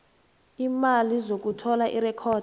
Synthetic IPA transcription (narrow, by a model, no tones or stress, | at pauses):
imalizok̬utʰɔlaʔirɛkʰɔːd